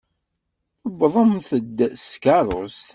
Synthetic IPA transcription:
θəbðˤəmθəd̪skɑɾˤos

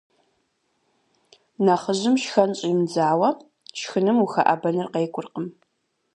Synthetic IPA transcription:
nɐχəʑɪmʃxɐnɕʼɪmd͡zaːwɐ | ʃxɨnɨmuxɐʔɐ̰bɐnɨrqejkʷʼʊrqəm

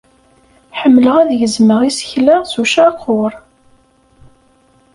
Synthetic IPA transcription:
ħəmːləʁæðʝəzməʁisə̥çlasuʃaqʰːʊɾˤ

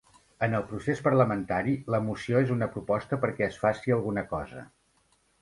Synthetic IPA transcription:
ənəlˠpɾusespərləmənt̪aɾiləmusioezunəpɾupɔst̪əpəɾkɛəsfasiəlˠɣunəkɔzə̰

